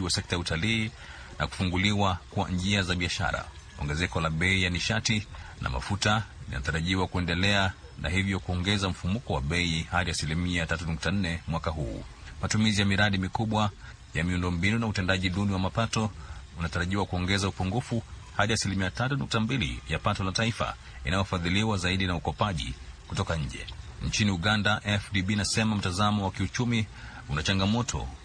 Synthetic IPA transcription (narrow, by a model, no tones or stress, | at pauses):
wasɛk̚tajautaliː | na̰ku̥fuŋɡuliwakua̰nd͡ʒiazaɓiaʃa̰ɾa̰ | ɔ̰ŋɡɛzɛkɔlaɓɛijaniʃatina̰ma̰futalḭna̰taɾaʄiwakuɛndɛlɛa | nʔa̰hivjɔkuɔŋɡɛzam̩fumukɔwaɓɛihaɗiasilimiatatunuk̚tan̩nɛmwakaɦuː | matumizijamiɾaɗimikuɓwa | jamiundɔmbinunautɛndaʄiɗuniwamapatɔunataɾaʄiwakuɔŋɡɛzaupuŋɡufuhaɗiasilimiatatunuk̚tambilḭjapatɔlataifa̰ | ḭnajɔfaðiliwazaiɗinaukɔpaʄḭkutɔkaɲ̩d͡ʒɛ̰ɲ̩t͡ʃiniuɠandaʔɛfdibinasɛmam̩tazamɔwakiut͡ʃumi | unat͡ʃaŋɡamɔtʰɔ̰